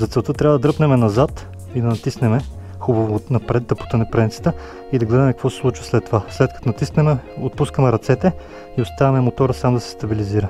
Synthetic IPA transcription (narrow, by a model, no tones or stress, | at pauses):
zɐt̪sɛlˠt̪ɤt̪ɾʲavəd̪ɐd̪ɾɤpnɛmɛnɐzat̪ | id̪ɐnɐt̪isnɛmɛ | xubɐvonɐpɾɛd̪̚d̪ɐpu̥t̪ənɛpɾɛnʲt̪sə̥t̪ə | id̪ɐɡlɛd̪ɐmɛkəkvɔsɛ̥slˠut͡ʃvə̥slɛt̪ːovaslɛt̪̚kɐt̪onɐt̪isnɛmɛot̪̚puskəmɛɾɐt̪sɛt̪ɛ | iost̪avɐmɛmot̪ɔɾəsamd̪ɐsɛ̥st̪ɐbiliziɾə